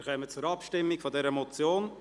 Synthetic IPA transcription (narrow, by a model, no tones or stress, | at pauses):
χɛmət͡sʊɾɑpʃtɪmːiɡfɔdɛɾəmɔt͡sjoːn